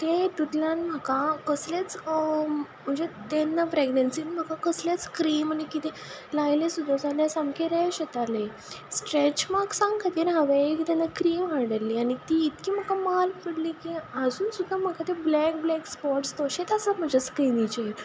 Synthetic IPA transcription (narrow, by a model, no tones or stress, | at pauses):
t̪et̪ut̪ljanm̤əkakəslat͡s | m̤əd͡zet̪enːapɾeɡnənsiːnm̤əkakəsljat͡skɾiːmañikit̪e | lajlesud̪ʱːad͡zaljasamkeɾɛɕət̪ale | sʈɾet͡ɕmaksãŋɡkʰat̪iːɾɦaʋeekit̪ɛnːakɾiːmɦaɽəlːiːanit̪iːt̪kiːm̤əkamalpəɽliːkiəd͡zuːnsud̪ʱːam̤əkat̪eblɛk̚blɛkspɔɾʈst̪ɔɕet̪asəm̤əd͡ʑaskɾinit͡ɕee